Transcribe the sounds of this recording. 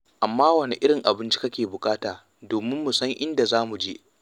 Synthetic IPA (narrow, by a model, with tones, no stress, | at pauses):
ʔa˨mːaː˦wɐ˦ne˦ʔɪ˦ɽɪ˨ŋʔa˨bɪ˦nt͡ʃi̥˦kɐ˦kʲeː˨bʊ˨kʼaː˦taː˨ | doː˨mɪ˦mːʊ˨sɐ˦ŋʔɪ˦nda˨zaː˦mu˨d͡ʒe˦ʔ